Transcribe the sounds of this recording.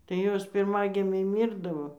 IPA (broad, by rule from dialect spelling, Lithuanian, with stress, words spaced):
tɐɪ ˈjoːs pʲɪrˈmɑːɡʲɪmʲɛɪ ˈmʲiːrdɐʋoː